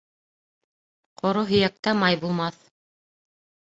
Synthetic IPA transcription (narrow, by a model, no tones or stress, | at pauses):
qʰŏɾoɦɵ̆jæk̚t̪æmɑjbulˠmɑθ